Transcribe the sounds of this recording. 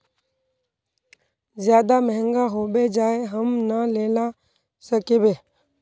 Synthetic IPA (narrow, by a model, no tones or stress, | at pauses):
zjaːd̪amɛ̃ɦɛ̃ŋɡaɦoːbed͡ʒaːeɦəmnəleːla | səkeːbeː